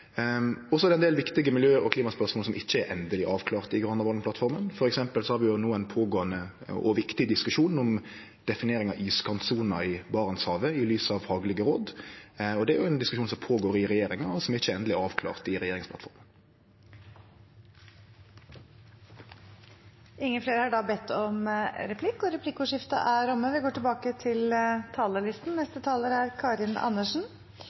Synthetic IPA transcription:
ɔsɔɛd̪ɛnd̪eːlʋɪkt̪ɪɡəmɪljøːəɾɔkliːmɑspœʁsmoːlsɔmʔɪçːəɛɾʔɛnd̪əlɪʔɑːʋkʰlɑːʁt̪ɪɡʁɑnɑʋɑlnplɑt̪fɔʁmənfɔɾɛksɛmpəlsɔhɑːɾʋɪjʊnuːənpʰoːɡoːənə | ɔ̰ʋɪkt̪ɪd̪ɪskʉʂuːnɔm | d̪̥ɛfɪneːɾɪŋɑʔyːskʰɑnt̪suːnɑɪbɑːʁənshɑːʋəɪlyːsɑʋfɑːɡlɪɡəɾoːd̪ | ɔd̪ɛæɾjʊɛnd̪ɪskʉʃuːnsɔmpʰoːɡoːɾɪʁɛjeːɾɪŋɑɔsɔmɛʁɪçːəɛnd̪əlɪɑːʋkʰlɑ̰ːʁt̪ɪɾɛjeːɾɪŋspʰlɑ̰t̪fɔʁmə | ʔɪŋːəfleːɾəhɑɖɑbɛt̪ːɔmɾɛpʰlɪkːɔɾɛpʰlɪkːʊʂɪft̪ɑ̰ʔæɾɔmːəʋɪɡoːʈɪlbɑːkət̪ʰɪlt̪ʰɑːləlɪst̪n̩nɛst̪ət̪ʰɑːləɾæɾkʰɑːɾɪnɑ̰nːəʂn̩

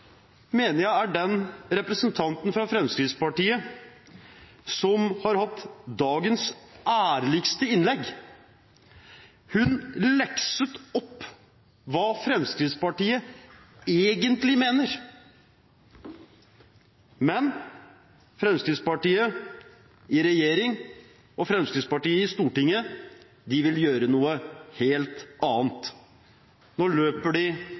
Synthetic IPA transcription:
meːnəɾjæɪæɖɛnɾɛpɾəsənt̪ʰɑnt̪n̩fɾɑfɾɛmskɾɪd̪spɑʈiːə | sɔmhɑɾhɑt̪ːd̪ɑːɡənsæːɾɭɪɡst̪əɪnlɛɡ | hʉnlɛksət̪ɔpː | ʋɑːfɾɛmskɾɪd̪spɑʈiːə | eːɡənt̪lɪmeːnəɾ | mɛn | fɾɛmskɾɪd̪spɑʈiːə | ɪɾɛjeːɾɪŋ | ɔfɾɛmskɾɪd̪spɑʈiːəɪst̪uːʈɪŋːə | d̪ɪʋɪljøːɾənuːəheːlt̪ɑːnt̪ | nɔɭøːpəɖɪ

